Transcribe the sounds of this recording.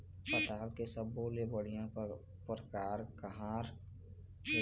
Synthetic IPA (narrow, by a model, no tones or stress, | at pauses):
pət̪aːlkesəbːolebəɽɪjãp | pəɾkaːɾkəɦãːɾ